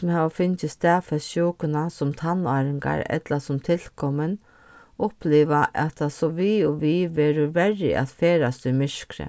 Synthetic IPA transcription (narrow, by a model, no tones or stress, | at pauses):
mhaːʋafʏnt͡ɕɪst̪æːfɛsɕɔːkʊnasʊmt̪ʰanɑːɾɪŋka̰ɾɛ̰t̪lasʊmt̪ʰɪl̥kʰɔmən | ʊhpliːʋaʔɛt̪ʰːasɔʋiʊʋiʋɛːɾʊʋɛrːɪ̰ʔa̰t̪feːɾast̪ʏmɪʂkɾə̰